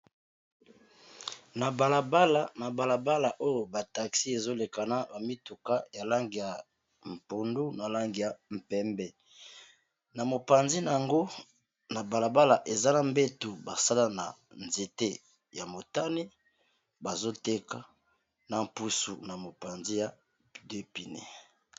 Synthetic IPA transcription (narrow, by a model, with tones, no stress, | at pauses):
na˨ba˨la˨ba˦la˨na˨ba˨la˨ba˦la˨ʔo˦jo˨ba˨ta˨ksi˦e˨zo˦le˨ka˨na˦ba˨mi˦tu˨ka˦ja˨la˦ŋɡi˨ja˨ | m̩˨po˨ndu˦na˨la˦ŋɡi˨ja˨m̩˨pɛ˦mbɛ˦ | na˨mo˨pa˨nzi˦na˨ja˨ŋɡo˦ | na˨ba˨la˨ba˦la˨ʔe˨za˦na˨mbe˦tu˨ba˨sa˦la˦na̰˨nze˨te˦ | ja˨mo˨ta˦ni˦ | ba˨zo˦te˦ka˨ | na˨m˨pu˦sṵ˨na˨mo˨pa˨nzi˦ja˨ | de˦pi˨nḛ˨